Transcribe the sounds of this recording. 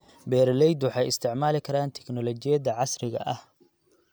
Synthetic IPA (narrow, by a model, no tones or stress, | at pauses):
bɛːɾlɛjd̪wɑħɑjɪ̰st̪ʰɪʕmaːlɪkʰɐɾaːnt̪ʰɛknɔlɔt͡ʃɪjɐðɐʕɑsrɪɣɐ̰ʔɐh